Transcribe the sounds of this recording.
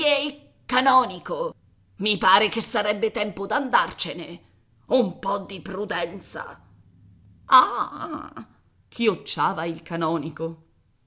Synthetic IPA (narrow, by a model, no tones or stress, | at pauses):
eil | kanɔːniko | mipaːɾekesaɾɛbːet̪ɛmpod̪and̪art͡ʃene | umpɔd̪ːipɾud̪ɛnt̪sa̰ | a | kʰiot͡ʃːaːvailkanɔːniko